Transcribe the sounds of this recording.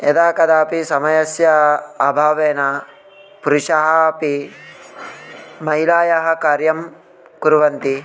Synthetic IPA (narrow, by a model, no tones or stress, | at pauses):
ed̪aːkɐd̪aːpisɐmɐjɐsjɐːbʱaːʋeːna | puɾuʃɐɦɐpi | mɐɦilaːjɐɦɐkaːɾjɐm | kuɾuʋɐnt̪i